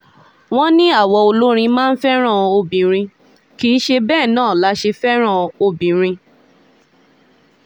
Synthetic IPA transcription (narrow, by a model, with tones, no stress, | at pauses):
w̃ɔ̃˦nĩ˦a˦˨wɔ˧o˧lo˦ɾ̃ĩ˧mãː˦n̩˦fɛ˦ɾ̃ã˦˨o˧bĩ˨ɾ̃ĩ˧ | ki˦ʃe˧bɛː˦˨nãː˦˨la˨˦ʃe˧fɛ˦ɾ̃ã˦˨o˧bĩ˨˦ɾ̃ĩ˧